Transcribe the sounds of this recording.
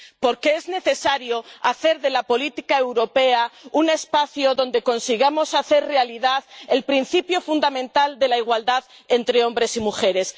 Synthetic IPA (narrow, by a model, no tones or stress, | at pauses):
po̞ɾkeezne̞θe̞saɾjoaθe̞ɾðe̞lapo̞lit̪ikaewɾo̞pe̞aune̞spaθjoðo̞nd̪e̞ko̞nsiɣamo̞saθe̞ɾre̞aliðaðe̞lpɾin̟θipjofund̪amẽ̞nt̪ald̪e̞laiɣ̞wald̪að | e̞nt̪ɾeo̞mbɾe̞simuxe̞ɾe̞s